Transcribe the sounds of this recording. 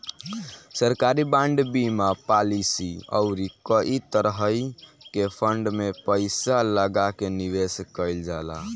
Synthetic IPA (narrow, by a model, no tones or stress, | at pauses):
səɾkaɾibãɳɖbimapalisiə̰ʊɾikəʔit̪əɾɦəjkepʰəɳɖmepəɪsaləɡakeniʋeskəɪld͡ʒala̰